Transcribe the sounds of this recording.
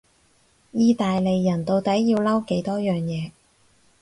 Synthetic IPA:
jiː˧t̪aː˨jle˨jːɐ˨˩nt̪o˧wt̪ɐ˨˥jːiː˧wlɐ˥wke˨˥jt̪ɔː˥jœː˨ŋjɛː˨˧

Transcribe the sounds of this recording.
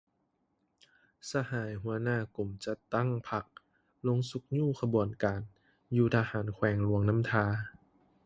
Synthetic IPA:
sa˧haː˩˦jɦu˩˦ɐnaː˥˩ku˨˩mt͡ɕa˧t̪a˥˩ŋpʰa˧˩k̚ | lo˧˥ŋsu˧˦k̚ɲuː˥˨kʰa˧bu˨˩ənkaː˨˩n | juː˧˩t̪ʰa˧haː˩˦nkʰwɛː˧˩ŋlu˧əŋna˦˥mt̪ʰaː˧

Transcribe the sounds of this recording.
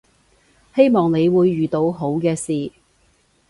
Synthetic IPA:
he˥jmɔː˨ŋne˨˧jwuː˨˧jːyː˨t̪o˨˧wɦo˨˥wkɛː˧siː˨

